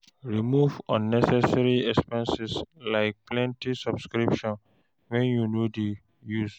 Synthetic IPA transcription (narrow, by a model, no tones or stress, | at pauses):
ɹimuvɔ̃nːɛsɛsaɹiɛkspɛ̃nsɛslaɪk̚plɛ̃ntisɔbskɹipʃɔ̃n | wɛ̃njunodi | jus